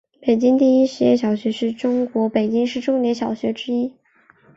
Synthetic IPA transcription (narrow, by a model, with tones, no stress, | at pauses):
pe˨˩ɪt͡ɕi˥ŋt̪i˥˩i˥ʂɻ̩˧˥jɛ̰˥˩ɕ̬jɑ˨˩ʊɕɥɛ˧˥ʂɻ̩˥˩ʈ͡ʂʊ˥ŋkwɔ˧˥pe˨˩ɪt͡ɕi˥ŋʂɻ̩˥˧ʈ͡ʂʊ˥ŋnjɛ˧˥nɕjɑ˨˩ʊɕɥɛ˧˥ʈ͡ʂɻ̩˥i˥